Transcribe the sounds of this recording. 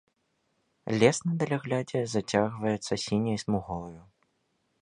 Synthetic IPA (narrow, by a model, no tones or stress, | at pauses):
lʲɛsnɐd̪ɐlʲaɣlʲad͡zʲɛzɐt͡sʲaɣvɐjɛt̪sːɐsʲinʲɐjsmuɣɔlˠɐju